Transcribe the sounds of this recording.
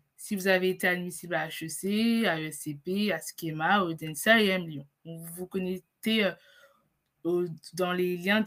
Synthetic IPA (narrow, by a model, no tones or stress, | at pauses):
sivuzaveːt̪ead̪misiblaʃøseaøɛsepeasi̥kʲemaod̪ɛnsaeɛmljɔ̃ | vuvukɔnɛseø | od̪ɑ̃leljɛ̃